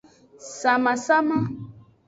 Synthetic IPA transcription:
sa˨ma˨sa˦ma˦

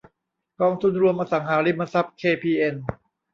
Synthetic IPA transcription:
kɔː˧ŋt̪ʰu˧nɾu˧əmʔaː˧sa˩˦ŋhaː˩˦ɾi˧mːa˧sa˦˥p̚kʰeː˧pʰiː˧ʔe˧n

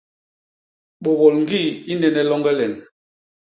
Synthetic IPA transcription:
ɓɔ˨bɔ˨lŋ̩˦ɡi˦˨i˦nɛ˨nɛ˨lɔ˦ŋɡɛ˦lɛ˨n

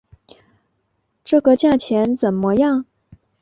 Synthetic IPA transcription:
ʈ͡ʂɤ˥˩kə˧t͡ɕja˥˩t͡ɕʰjɛ˧˥nt͡sə˨˩nmə˧˦jɑ˥˩ŋ

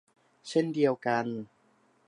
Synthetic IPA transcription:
t͡ɕʰe˥˩ndi˧ɐwka˧n

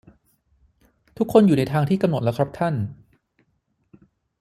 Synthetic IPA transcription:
t̪ʰu˦˥kʰːo˧njuː˨˩na˧jt̪ʰaː˧ŋt̪ʰiː˥˩ka˧mno˨˩t̪̚lkʰɾa˦˥p̚t̪ʰa˥˩n

